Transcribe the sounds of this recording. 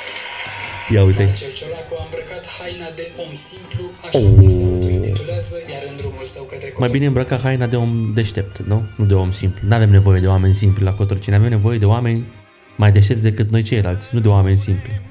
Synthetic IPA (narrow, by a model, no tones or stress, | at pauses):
jaujt̪ej | bɾəkat̪hajnad̪omimplu | ɨnd̪ɾuulsəwt̪majbineɨmbɾəkaɦajnad̪e̞o̞md̪e̞ʃt̪e̞p̚t̪nunud̪e̞o̞msimplunuave̞mne̞vo̞je̞d̪eoame̞nʲsimplʲlakot̪oɾt͡ʃineave̞mne̞vo̞je̞d̪e̞oame̞nʲ | majd̪e̞ʃ̬t̪ep̪t̪sʲd̪e̞kɨt̪̚no̞jt͡ʃe̞jlalt̪sʲnud̪e̞oame̞nʲsimpli